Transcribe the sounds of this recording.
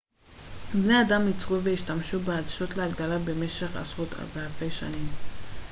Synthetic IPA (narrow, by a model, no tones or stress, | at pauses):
bne̞ad̪amit͡sʁuveiʃtamʃubead̪ʃot̪leaɡd̪alabe̞me̞ʃeχa̰sʁot̪vealfe̞jʃa̰nim